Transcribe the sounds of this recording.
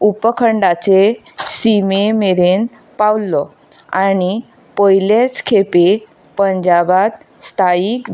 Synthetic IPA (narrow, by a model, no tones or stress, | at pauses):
upəkʰəɳɖat͡sesimemeɾen | pawlːɔ | añi | pəjlet͡skʰepe | pəɲd͡ʑabat̪ | st̪ʰaiːk̪